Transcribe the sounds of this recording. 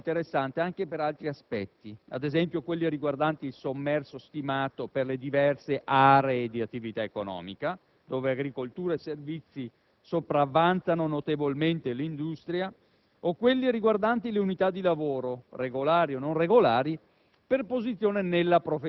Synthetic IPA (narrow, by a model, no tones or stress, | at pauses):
nt̪eɾesːant̪eaŋk̟epeɾalt̪ɾiaspɛt̪ːia̰d̪ezɛmpjokwelːiɾiɡward̪ant̪iilsomːɛrsost̪imaːt̪operled̪ivɛrseʔaːɾeed̪iat̪ːivit̪aekonɔ̰ːmika | d̪̥oːveaɡɾikolt̪uːɾaeservit̪sːi | sopɾavːant̪sanonot̪evolment̪elind̪ust̪ɾja | okːwelːiɾiɡward̪ant̪ileunit̪ad̪ːilavoːɾoreɡolaːɾiononreɡolaːɾi | perpozit̪sːjoːnenelːapɾofe